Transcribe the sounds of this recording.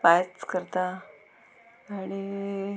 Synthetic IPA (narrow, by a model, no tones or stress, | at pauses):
pajət͡skəɾt̪a | aɽ̃i